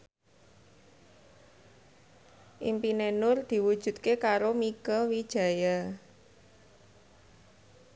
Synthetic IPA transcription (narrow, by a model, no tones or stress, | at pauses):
ʔḭmpinenʊrd̪̥i̤wud̥ʒ̥ṳt̪̚kekaɾomiɡɔwid̥ʒ̥a̤ja